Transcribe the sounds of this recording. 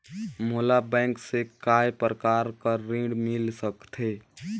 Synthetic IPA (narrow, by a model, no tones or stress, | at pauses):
moːlabɛ̃ːŋksekaːepɾəkaːɾkaɾĩːɖmɪlsəkt̪ʰeː